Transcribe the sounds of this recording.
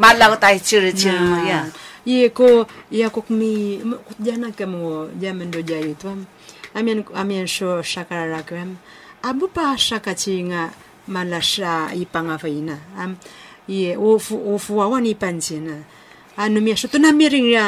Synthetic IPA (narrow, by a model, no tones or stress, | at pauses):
malakotait͡ʃiɾt͡ʃiajajekoijakukmikut̪̚d͡ʒanakəmod͡ʒaməndod͡ʒajutuam | amianamiansosakaɾaɾakuam | abupasakat͡ʃiŋa | malasaipaŋafainaːm | jeufuufuawanipant͡ʃinaː | numiasut̪unamiɾiŋja